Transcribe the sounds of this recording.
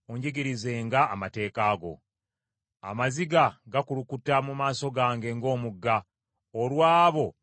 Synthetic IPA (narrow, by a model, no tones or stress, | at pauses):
oɲɟeɡiɾizeːŋɡaːmate̞ːkaːɡo̞̰ | a̰maziɡaɡakulukutːamumaːso̞ɡaːŋɡe̞ŋɡo̞ːmuɡːa | olwaːβo̞